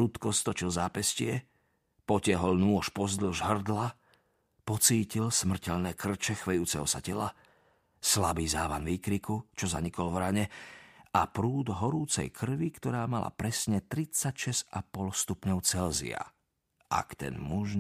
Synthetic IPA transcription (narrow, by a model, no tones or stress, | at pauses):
ɾut̪kɔst̪ɔt͡ʃilzaːpɛscɪɛ | pɔcɪaɦɔlnuɔʃpɔzd̪l̩ʒɦr̩d̪la | pɔt͡siːcilsmr̩cɛʎnɛːkr̩t͡ʃɛxʋɛjuːt͡sɛɦɔsacɛla | slabiːzaːʋanʋiːkɾikut͡ʃɔza̰ɲikɔlvɾaɲɛapɾuːd̪ɦɔɾuːt͡sɛ̰jkʰr̩ʋikt̪ɔɾaːmala̰pɾɛsɲɛt̪ɾit͡sacʃɛz̥apɔlst̪upɲɔʊt͡sɛlzḭa̰ | ʔa̰kt̪ɛ̰nmuʒ